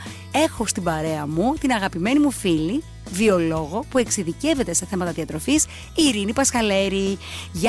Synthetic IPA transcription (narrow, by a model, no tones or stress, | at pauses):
e̞xo̞st̪ibɐɾe̞ɐmut̪inɐɣɐpime̞nimufili | vio̞lo̞ɣo̞pue̞ksiðice̞ve̞t̪e̞se̞θe̞mɐt̪ɐðiɐt̪ɾo̞fis | iɾinipɐsxɐle̞ɾiʝ